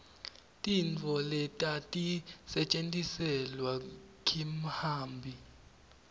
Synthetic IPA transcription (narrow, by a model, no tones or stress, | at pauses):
tʼint͡fʰɔlɛtʼatʼisɛt͡ʃʼentʼisɛlwakʰʼim̩haːmbʱi